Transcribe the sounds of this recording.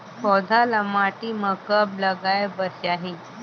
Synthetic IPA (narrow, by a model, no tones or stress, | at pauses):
fɔd̪ʱalamaʈiməkəpləɡajbəsaɦe